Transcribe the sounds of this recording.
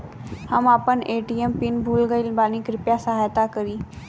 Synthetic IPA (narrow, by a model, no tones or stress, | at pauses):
həmaːpəneːʈiːempɪnbʱuːlɡəilbaːnikɾɪpjasəɦaːjt̪akəɾiː